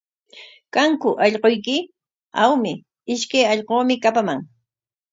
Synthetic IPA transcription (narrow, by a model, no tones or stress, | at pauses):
kaŋkʊʔɑʎqojkɪ | awmɪ | ɪʃkajɑʎqoːmɪkapamaŋ